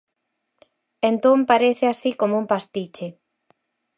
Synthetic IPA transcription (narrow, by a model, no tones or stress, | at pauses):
ent̪õmpaɾeθeasikomoumpast̪it͡ʃe